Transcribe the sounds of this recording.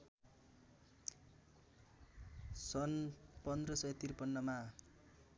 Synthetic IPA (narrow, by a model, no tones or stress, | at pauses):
sʌnpʌnd̪rʌsʌjet̪irpʌnːʌma